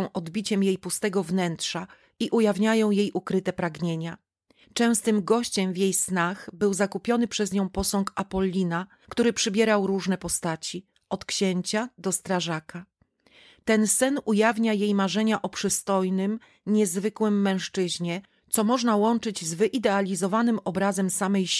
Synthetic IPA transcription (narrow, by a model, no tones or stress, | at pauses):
w̃ʔɔd̪bʲit͡ɕɛmjejpust̪ɛɡɔvnɛntʂa | iʔujavɲajɔ̃w̃jejʔukɾɘt̪ɛpɾaɡɲeɲa | t͡ʂɛ̃w̃st̪ɘmɡɔɕt͡ɕɛmvʲjejsnaxbɘwzakupʲjɔnɘpʂɛzɲɔ̃w̃pɔsɔ̃ŋkapɔlʲːina | kt̪uɾɘpʂɘbʲjɛɾawɾuʐnɛpɔst̪at͡ɕi | ʔɔt̪kɕeɲt͡ɕad̪ɔst̪ɾaʐakʰa | t̪ɛnsɛnujavɲajejmaʐɛɲaʔɔpʂɘst̪ɔjnɘm | ɲɛzvɘkwɘmːɛ̃w̃ʂt͡ʂɘʑɲɛ | t̪sɔmɔʐnawɔnt͡ʂɘd͡ʑzvɘʔid̪ɛalʲizɔvanɘmɔbɾazɛmsamɛj